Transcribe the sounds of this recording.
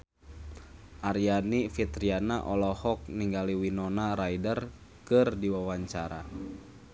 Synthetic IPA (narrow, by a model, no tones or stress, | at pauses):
ʔaɾianifit̪ɾianaʔɔlɔhɔk̚niŋɡaliwinɔnaɾajdər | kɨrdiwawaɲt͡ʃaɾa̰